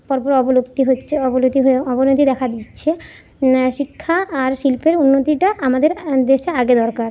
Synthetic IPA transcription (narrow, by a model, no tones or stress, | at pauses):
pɔɾpoɾeɔbolobt̪iɦoɔbolot̪iɦoɔbonot̪id̪ɛkʰad̪itːɕʰe | ʃikʰːaːɾʃilpeɾunːot̪iʈaamad̪eɾd̪eʃeaɡed̪ɔɾkaɾ